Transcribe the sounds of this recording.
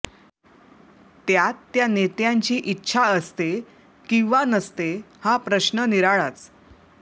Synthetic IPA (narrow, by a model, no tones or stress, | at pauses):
t̪jat̪ːjanet̪jaɲt͡ɕiːʔitːɕʰaəst̪e | kĩw̃ʋanəst̪ehãpɾəɕnəniɾaɭat͡s